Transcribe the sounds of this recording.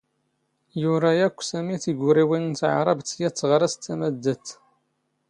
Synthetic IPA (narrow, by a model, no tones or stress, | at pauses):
jʊɾˤæjækʷːsæmiθiɡʷɾiwinnt̪ʕa̰ɾˤɑbt̪ːjæt͡sːʁɾˤæst̪ʰːæmæd̪ːæt̪